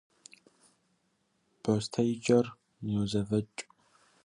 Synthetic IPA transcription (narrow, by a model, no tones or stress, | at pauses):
b̥ost̪ʰɐjd͡ʒɐr | nɛwzɐvɐt͡ʃʼ